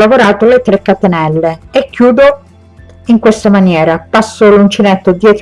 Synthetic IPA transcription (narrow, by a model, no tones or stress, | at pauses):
lavoɾaːt̪olet̪ɾekːat̪enɛlːeekːjuːd̪o | iŋkwest̪amanjɛːɾapasːolunt͡ʃinet̪ːod̪jɛːt̪